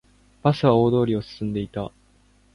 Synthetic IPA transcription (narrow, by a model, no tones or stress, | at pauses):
b̥asɨβao̞ːd̪o̞ːɾʲio̞sɨ̥sɨ̃nd̪e̞it̪a